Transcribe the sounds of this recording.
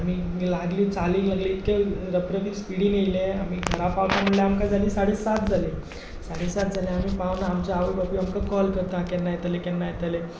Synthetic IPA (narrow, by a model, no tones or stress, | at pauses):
am̤iː | laɡliːt͡saliːlaɡliːt̪keɾəpɾəʋiːspiɽiːnejilẽam̤iːɡʱəɾapawt̪aməɽleamkad͡zʱaliːsaɽiːsat̪̚d͡zʱalẽ | saɽiːsat̪̚d͡zʱalẽam̤iːpaʋnaːmt͡ɕaːʋibapiamkakɔlkəɾt̪ãkɛnːajet̪alekɛnːajet̪ale